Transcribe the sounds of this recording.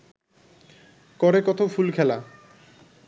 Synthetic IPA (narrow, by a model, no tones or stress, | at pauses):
kɔɾekɔt̪ʰofulkʰɛla